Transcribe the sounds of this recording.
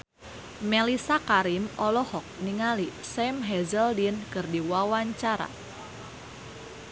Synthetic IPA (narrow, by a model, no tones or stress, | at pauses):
melisakaɾimɔlɔhɔk̚niŋalisɛmɦɛzəldinkɨrdiwawaɲt͡ʃaɾa̰